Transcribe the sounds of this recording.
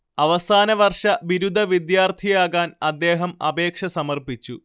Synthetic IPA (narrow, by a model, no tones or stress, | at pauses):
ɐʋɐsaːnɐʋɐrʂɐʋiɾud̪ʱɐʋid̪jaːrt̪ʰijaːɣaːnɐd̪ːe̞ːɦɐmɐ̰be̞ːkʂɐsɐmɐrpit͡ɕːu